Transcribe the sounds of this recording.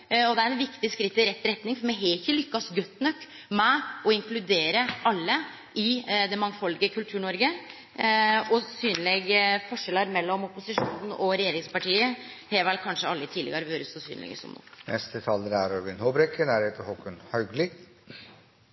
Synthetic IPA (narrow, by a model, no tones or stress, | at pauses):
ɔd̪ɛæɾɛnʋɪkt̪ɪskɾɪt̪ːɪɾɛt̪ːɾɛt̪nɪŋfɔɾmɛɦɛɪçːəlʏkːɑsɡœt̪ːnœkː | mɛɔɪŋklʉd̪eːɾəɑlːə | ʔɪd̪ɛmɑŋːfɔlːɡəkʰʉlt̪ʰʉːɳɔɾɡə | ɔsyːnlɛɡfɔʂɛlːəɾmɛlːɔmɔpʊsɪʂuːnn̩ɔɾɛjeːɾɪŋspɑʈʰiːə | hɛːʋɛlkʰɑnʂəɑlːəɪt̪ʰiːd̪ɛ̰ɡəɾʋøːɾəsɔsy̰ːnlɛ̰ɡə̰sɔ̰mnṵːnɛ̰st̪ət̪ʰɑlːəɾæɾɔɾʋɪnhɔbɾɛkːənæːɾheːt̪əɾhɔkːənhɑɡlɪ